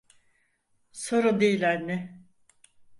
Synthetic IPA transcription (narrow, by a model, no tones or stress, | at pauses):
soɾud̪ejilʲæɾnɛ